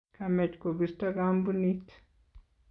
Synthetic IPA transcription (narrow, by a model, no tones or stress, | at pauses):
kamet͡ʃkobist̪aɡambunit̪